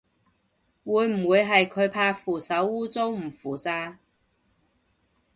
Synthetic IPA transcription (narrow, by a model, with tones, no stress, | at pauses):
wuː˨˧˥jm̩˨˩wuː˨˧jɦɐ˨jkʰɵ˨˧ɥpʰaː˧˥fuː˨˩sɐ˨˥wuː˥t͡so˥wm̩˨˩fuː˨˩t͡saː˧